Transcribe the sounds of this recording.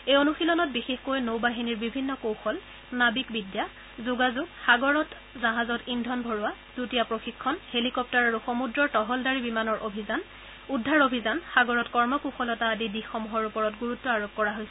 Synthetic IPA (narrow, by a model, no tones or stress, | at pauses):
ejonuxilɔnɔt̚bixexkojnowbaɦiniɹbibʱinːɔkowxɔl | nabikbidja | zuɡazuɡxaɡɔɹɔt | zaɦazɔtindʱɔnbʱɔɹuwad̥utijapɹoxikʰːɔnhelikɔp̚taɹaɹuxomudɹɔɹtɔɦɔldaɹibimanɔɹʔobʱizan | udʱːaɹobʱizanxaɡɔɹɔtkɔɹmɔkoxɔlɔtaːdidixːɔmuɦɔɹupɔɹɔtɡuɹutːɔaɹok̚kːɔɹaɦojsɛ